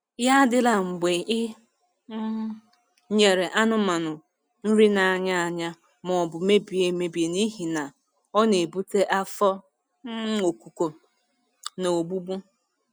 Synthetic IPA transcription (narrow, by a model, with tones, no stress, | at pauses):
ja˦dɪ˦la˨ŋ͡m̩˨ɡ͡be˨ʔɪ˦ | ɲe˨ɾe˨ʔa˦nʊ˨ma˨nʊ˨ | n̩˦ɾi˦na˨a˨ɲa˦a˨ɲa˦ | mɔ˨bʊ˨me˦bi˨e˨me˨bi˨e˨ni˦ɦi˨na˨ | ɔ˦ne˨bu˦te˦ʔa˦fɔ˦ | o˨ku˨ko˨ | no˨o˨ɡ͡bu˦bu˦